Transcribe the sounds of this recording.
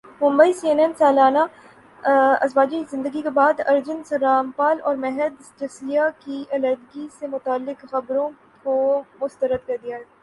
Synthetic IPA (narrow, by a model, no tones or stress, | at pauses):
mʊ̃mbəisiːɛnɛnsaːlaːna | ɐ̰zbaːd͡ʒikzɪ̃nd̪əɡikebaːd̪ɐɾd͡ʒʊnsɐɾaːmpaːlɔːɾmɛɦəd̪d͡ʒɐsijakiɐlɛd̪ɡisemʊt̪aːlːɪkxɐbɾõ | komʊst̪əɾəd̪̚kɐɾd̪ijaɦɛ